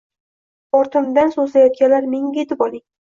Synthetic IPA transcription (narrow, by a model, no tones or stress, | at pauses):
ɒɾt̪ʰɪmd̪ansozlajɒt̪̚kʲanlaɾmeŋʲajet̪ʰɪpɒlˠɪŋ